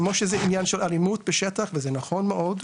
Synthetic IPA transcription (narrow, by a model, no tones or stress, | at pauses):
moʃezɛinjanʃelalimut̪̚beʃet̪aχvezɛnaχo̞nmeʔod̪